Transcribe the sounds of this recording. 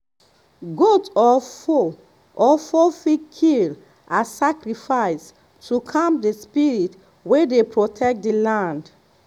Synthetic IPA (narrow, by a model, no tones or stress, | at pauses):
ɡotɔfo | ʔɔfofikʰil | asakɹifaɪs | tʰukʰãmp̚despiɹit | wedepɹotʰɛk̚t̚dilãnd